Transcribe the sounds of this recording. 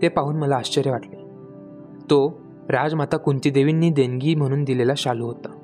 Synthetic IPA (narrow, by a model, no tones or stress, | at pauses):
t̪epaɦuːnməlaːɕt͡ɕəɾjəʋaʈle | t̪o | ɾad͡zm̤at̪akuɳt̪id̪eʋinːiːd̪eŋɡiːm̤əɽ̃ũːnd̪ilelaɕaluɦot̪a